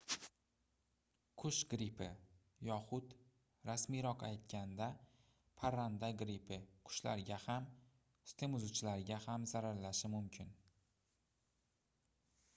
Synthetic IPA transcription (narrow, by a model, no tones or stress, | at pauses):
kʰʊʃɡɾipʰɪ̰ | jɒχʊt̪ | ɾasmiɾɒqajt̪kʲand̪a | pʰaɾand̪aɡɾipʰɪkʰʊ̥ʃla̰ɾɪɡʲaham | st̪ʰe̞mʊzut͡ʃʰɪlaɾɪɡʲahamzaɾaɾlaʃɪmʊmkʲʰɪn